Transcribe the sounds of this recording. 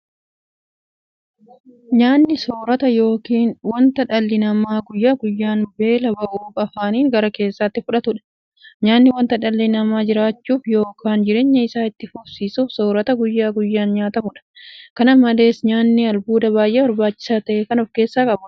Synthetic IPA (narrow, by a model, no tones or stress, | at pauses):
ɲaːnːɪso̞ːɾɐt̪ɐjo̞ːkiːnwɐnt̪ɐᶑɐlːɪnɐmaːɡʊjːaːɡʊjːaːnbe̞ːlɐbɐʔuːkʼɐfaːniːŋɡɐɾɐke̞ːsːat̪ːɪfʊᶑɐt̪ʊᶑɐ̥ | ɲaːnːɪwɐnt̪ɐᶑɐlːɪnɐmaːd͡ʒɪɾaːt͡ʃːuːfjo̞ːkʰaːnd͡ʒɪɾeːɲːɐɪsaːɪt̪ːɪfʊbsiːsuːfso̞ːɾɐt̪ɐɡʊjːaːɡʊjːaːnɲaːt̪ɐmʊᶑɐ̥kɐnɐmɐle̞ːsɲaːnːɪɐlbuːd̪ɐbaːjʔeːbɐɾbaːt͡ʃːɪ̥saːt̪ɐʔeːkɐnɔfke̞ːsːaːkʼɐbʊ